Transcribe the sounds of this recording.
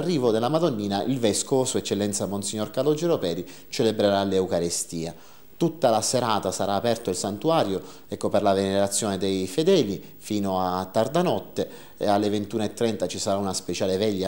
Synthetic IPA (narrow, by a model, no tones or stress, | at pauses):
rːiːvod̪elːamad̪onːiːnaʔilvɛskosoɛt͡ʃːelːɛnt̪samonsiɲːorkalod͡ʒeɾopɛːɾi | t͡ʃelebɾeɾaleukaɾest̪iːa | t̪ut̪ːalaseɾaːt̪asaɾaːpɛrt̪oilsant̪uaːɾjo | ɛkːoperlaveneɾat̪sːjoːned̪ejfed̪ɛːli | fiːnoat̪ːard̪anɔt̪ːe | alːevent̪uːnoet̪ːɾɛnt̪at͡ʃisaɾaunaspet͡ʃaːlevɛʎːa